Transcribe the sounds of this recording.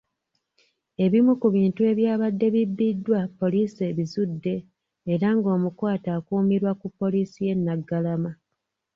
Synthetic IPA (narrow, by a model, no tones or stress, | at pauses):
e̞βimukuβiːntue̞βjaːβadːe̞βibːidwapːo̞liːse̞βizudːe̞ː | ɾaŋɡo̞ːmukwaːtaːkuːmiɾwakupːo̞liːsije̞nːaɡːalama